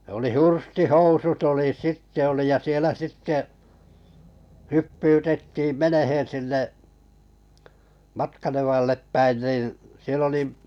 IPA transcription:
oli hurstihousut oli sitːe oli jɑ sielæ sitːe hypːyːtetːiːm̆ menehẽː sinːe mɑtkɑneʋɑlːep pæin niˑn̞ sielː oli

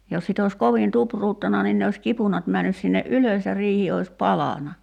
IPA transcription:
jos sit oˑis koʋin tupruːtːɑnɑ nin ne osʲ kipunɑt mænːys sinːe ʔyløs jɑ riːhi ois pɑlɑnɑ

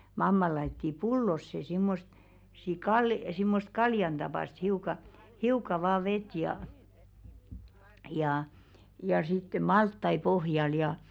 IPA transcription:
mɑmːɑ lɑitːi pulːosːe simːost si kɑl simːost kɑljɑn d̥ɑpɑˑst hiukɑ hiukɑ ʋɑː ʋet jɑˑ jɑˑ jɑ sitːe mɑltːɑi pohjɑl jɑ

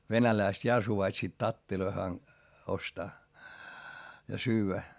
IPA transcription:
ʋenælæist jɑ suʋɑitsiːt tɑtːiloi hɑn ostɑː jɑ syːʋæ

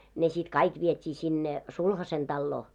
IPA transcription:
ne sit kɑik ʋietʲiː sinːe sulhɑsen d̥ɑlːoː

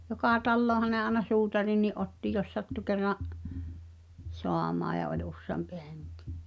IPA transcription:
jokɑˑ tɑlːoːhɑ ɑĕnɑ suːtɑrinːiʔ ʔotːi jos sɑtːu kerːɑʔ soɑmɑːj̆ jɑ olʲ usːeɑmpi he̥ŋ̊ki̥

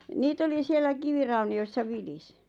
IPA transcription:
niːt oli sielːæ kiʋirɑuniosːɑ ʋilisi̥

